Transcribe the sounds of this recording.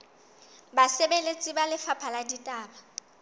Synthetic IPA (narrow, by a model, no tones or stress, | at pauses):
basebelet͡sʼibalɪfapʰaladitʼaːba